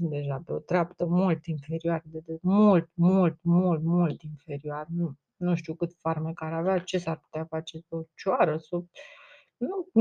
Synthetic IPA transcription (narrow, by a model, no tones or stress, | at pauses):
d̪e̞ʒapeo̞t̪ɾeapt̪əmult̪infe̞ɾioard̪ed̪emult̪mult̪mult̪mult̪infe̞ɾioarnu | nuʃt̪iukɨt̪farmekaɾaveat͡ʃe̞sarpu̥t̪eafat͡ʃe̞peot͡ʃaɾəso | nu